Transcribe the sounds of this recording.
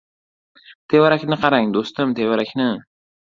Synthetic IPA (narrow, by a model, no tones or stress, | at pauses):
t̪ʰewaɾakʲnɨqʰɑɾaŋd̪ost̪ɨmt̪ʰewaɾakʲʰnɪ